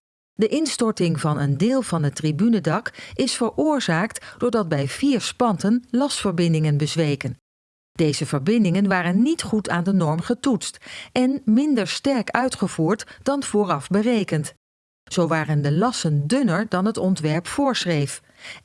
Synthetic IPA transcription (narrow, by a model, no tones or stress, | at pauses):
dəʔɪnstɔɹtɪŋvɑnʔəndɪːlˠvɑndətribynədɑkɪsfəɹʊːɹzaːktd̥ʊːɹdɑd̚bɛjv̥iːɹspɑntənlɑstfəɹbɪndɪŋənbəzʋejkən | d̥ejzəvəɹbɪndɪŋənʋaːrənːitχutaːndənɔɹmχətutstɛnmɪndəɹstɛɹkœɥtχəv̥uːɹtd̥ɑnv̥ʊːrɑfbərejkənt | z̥owʋaːrəndəlɑsəndɵnəɹdɑnɦətɔntʋɛɹpfʊːɹsrejf